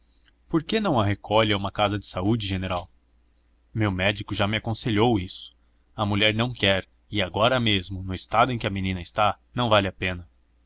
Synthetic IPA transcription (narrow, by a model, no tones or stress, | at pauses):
poɾkenɐ̃w̃ɐɦekʰɔʎɐũmɐkazɐd͡ʒɪsaud͡ʒɪʒeneɾaw | mewmɛd͡ʒikʊʒamɪakõseʎowisʊ̥ | ɐmuʎɛɾnɐ̃w̃kɛɾ | ɪaɡɔɾɐmezmʊnʊɪst̪ad̪ʊẽkɪɐmenĩnɐɪst̪anɐ̃w̃valɪapẽnɐ